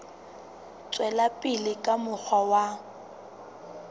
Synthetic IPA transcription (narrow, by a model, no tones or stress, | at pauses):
t͡sʼwɛlapʼɪlɪkʼamʊk͡xʰawa